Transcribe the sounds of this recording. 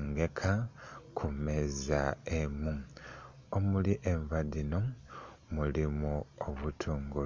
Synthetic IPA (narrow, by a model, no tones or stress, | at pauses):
ŋɡe̞kʰakʰumezaemu | omuliʔeɱvadino | mulimuoβutʰuːŋɡu